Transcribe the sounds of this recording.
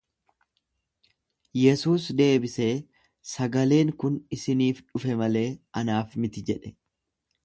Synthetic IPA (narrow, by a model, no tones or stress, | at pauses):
jɛsuːsd̪e̞ːbɪseː | sɐɡɐle̞ːŋkʊnɪsɪniːfᶑʊfɛmɐle̞ːʔɐnaːfmɪt̪ɪd͡ʒɛᶑɛ